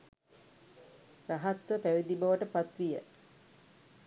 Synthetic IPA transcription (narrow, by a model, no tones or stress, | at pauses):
raɦat̪ʋəpæʋid̪ibɐʋəʈəpat̪ʋijə